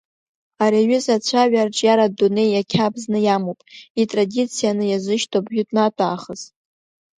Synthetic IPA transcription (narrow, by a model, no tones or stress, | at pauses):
aɾiaɥʏzat͡ɕʷʰaɥarʈ͡ʂʼjaɾadune̞jakʲʰabznɨjamowpʼitʼradit͡sʰijanɨjazʷɨʃtʰʼobjʊtʼnatʼaːχəz̥